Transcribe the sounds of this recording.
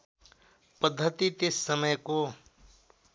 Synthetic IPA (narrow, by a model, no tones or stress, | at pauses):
pəd̪ʱːət̪it̪ɪsːəməjko